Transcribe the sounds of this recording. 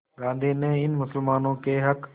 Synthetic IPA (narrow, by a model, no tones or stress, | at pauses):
ɠãːnd̪ʱiːnẽɪnmʊsəlmaːnõkeːɦɐk